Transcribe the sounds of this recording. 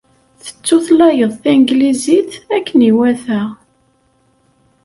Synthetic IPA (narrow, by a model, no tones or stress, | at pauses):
θə̥t͡sːʊθlɑjəðˤθiŋɡliziθækːəniwæθæ